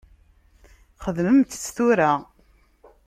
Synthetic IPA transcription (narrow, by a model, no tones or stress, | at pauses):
χəðməmt̪ə̥t͡sːθuɾa